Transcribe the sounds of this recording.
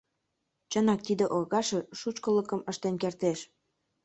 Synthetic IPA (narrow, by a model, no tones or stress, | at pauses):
t͡ɕənɑk̚t̪id̪ĕʔoɣɑʃĕʃut͡ɕkələ̆kəmə̆ʃt̪enkert̪eʃ